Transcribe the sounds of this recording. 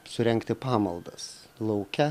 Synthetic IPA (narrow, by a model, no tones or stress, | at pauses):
sʊɾʲɛŋkt̪ʲɪpɑːmɐlˠd̪ɐ̰s | lˠɐʊkʲɛ